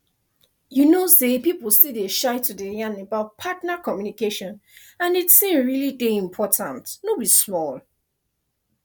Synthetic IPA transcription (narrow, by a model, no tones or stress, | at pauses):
junosepipl̩stildeʃaɪtʰudejãnebaʊt̚pʰatnakɔmjunikeʃɔ̃n | ãnitsĩmɹilideĩmpʰɔtʰãntnobismɔl